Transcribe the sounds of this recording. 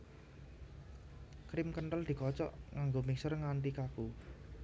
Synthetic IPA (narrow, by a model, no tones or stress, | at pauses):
kɾɪmkənʈəld̪̥i̤kɔt͡ʃɔ̰ʔŋaŋɡomiksərŋaɳʈikaku